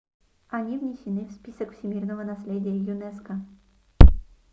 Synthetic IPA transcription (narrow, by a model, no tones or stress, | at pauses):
anʲivnʲɪsʲɪnɨfspʲisəkfsʲɪmʲirnəvənasʲlʲedʲɪjəjunɛskə